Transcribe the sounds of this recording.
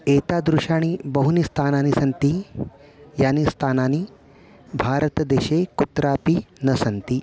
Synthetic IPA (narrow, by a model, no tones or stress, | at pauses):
eːt̪ad̪ɾuʃaːɽ̃ibɐɦunist̪ʰaːnaːnisɐnt̪i | jaːnist̪ʰaːnaːni | bʱaːɾət̪d̪eːɕekut̪ɾaːpinɐsɐnt̪i